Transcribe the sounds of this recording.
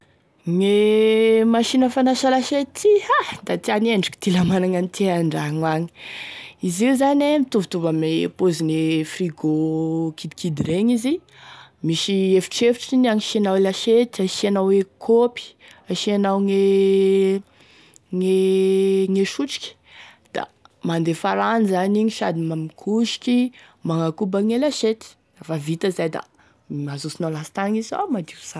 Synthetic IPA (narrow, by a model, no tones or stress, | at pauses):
ŋe | maʃinəfanaʃalaʃet̪ihad̪at̪ianeɳɖ͡ʐi̥kʲi̥t̪ilamanaŋanit̪ʰiaɳɖ͡ʐaŋwaŋi̥izizanemit̪uvut̪ubəmepozinefriɡokid̪ikid̪iɾeɲizi | miʃiefi̥ʈ͡ʂefiʈ͡ʂinaŋiʃianawelaʃet̪aʃianawwekʰopi̥aʃianawŋe | ŋe | ŋeʃuʈ͡ʂi̥kʲi̥ | d̪̥a̰mand̪efaɾanizaniɲiʃad̪imamikʰuʃi̥kʲi | maŋakubaŋelaʃet̪i̥ | afavit̪əzajd̪a̰ | mazusinawlasi̥t̪aŋiza̰wmad̪iu̥sa